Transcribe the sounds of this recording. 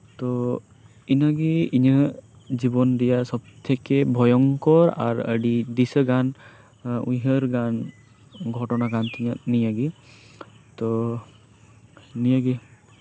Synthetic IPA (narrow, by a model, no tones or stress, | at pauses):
t̪ɔ | inəɡiiɲə | d͡ʒibɔnd̪ijasɔb̚t̪ʰɛkebʱɔjɔŋkɔɾa̰ɾə̰ɖid̪isəɡan | ujɦəɾɡan | ɡʱɔʈɔnaɡant̪ʰiɲənijaɡi | t̪ɔ | nijaɡi